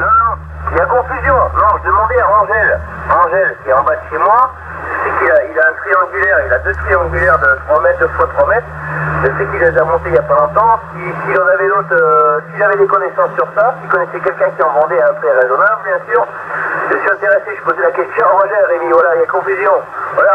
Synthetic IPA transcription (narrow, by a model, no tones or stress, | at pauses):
nɔ̃ | iljakɔ̃fyzjɔ̃nɔ̃ʒəd̪əmɑ̃d̪eaʁɑ̃ʒɛl | ɑ̃ʒɛlkʲiɛɑ̃bad̪əʃemwa | ʒəsɛkilailaɛ̃t̪χiɑ̃ɡʲylɛʁilad̪øt̪χiɑ̃ɡʲylɛʁd̪ət̪χwamɛt̪̚d̪øfwat̪χwamɛt̪χəʒəsɛkilezamɔ̃t̪eiljapalɔ̃t̪ɑ̃sisiːljɑ̃navɛlot̪χøsiʒavɛd̪ekɔnesɑ̃sːyʁsasikɔnesɛkʲɛlkʲɛ̃kʲiɑ̃vɑ̃d̪eaɛ̃pχɛʁezɔnablbjɛ̃syːʁ | ʒəsyɛ̃t̪eʁeseʒpozelakʲɛst̪jɔ̃ʁɑ̃ʒɛlʁemivwalailjakɔ̃fyzjɔ̃vwala